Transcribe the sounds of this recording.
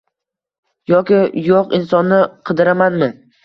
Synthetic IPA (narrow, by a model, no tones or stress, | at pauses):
jɒkʲɪjoqɪnsɒnːɪqʰɨd̪ɪɾamanmɪ